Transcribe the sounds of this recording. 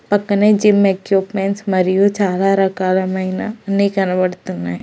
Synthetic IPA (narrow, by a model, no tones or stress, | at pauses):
pɐkned͡ʒɪmekjupmeɳʈsmɐɾijot͡ʃaːlaɾɐkaːlamɐɦinanekɐnʋəɽt̪una